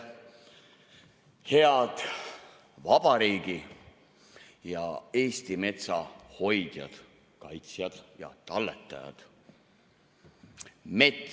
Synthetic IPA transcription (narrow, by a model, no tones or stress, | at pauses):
he̞ɑd̪̥ | vɑb̥ɑɾiːɡ̥i | jɑe̞ːst̪ime̞t̪sɑho̞jd̪̥jɑ̰d̪̥ | kɑjt̪sjɑd̪̥jɑ̰t̪ɑlːet̪ːˑɑjɑ̰d̪̥ | me̞t̪ːˑ